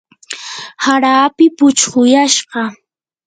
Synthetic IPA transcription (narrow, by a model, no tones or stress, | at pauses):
haɾaːpɪpʊt͡ʃɢʊjaʃɢɑ